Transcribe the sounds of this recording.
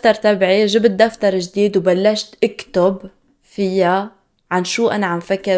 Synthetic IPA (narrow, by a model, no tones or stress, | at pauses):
t̪ɑɾˤt̪abʕiʒɪbt̪̚d̪aft̪ɑɾˤʒd̪iːd̪wbalːaʃt̪ʔɪkt̪ʊb | fɪjːa | ʕanʃuːʔanaʕamfakːɪ